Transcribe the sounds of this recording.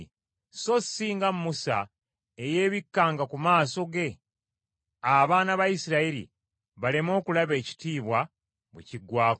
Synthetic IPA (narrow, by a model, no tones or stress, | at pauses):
so̞sːiːŋɡamumusa̰ | eje̞ːβikːaːŋɡakumaːso̞ɡe̞ | aβaːnaβajisiɾaiɾḭ | βalemo̞ːkulaβe̞ːci̥tiːβwa | βḛciɡwaːk